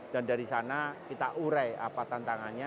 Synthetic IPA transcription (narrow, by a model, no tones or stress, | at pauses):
d̥andaɾisanakit̪aʔuɾaja̰pat̪ant̪aŋanɲa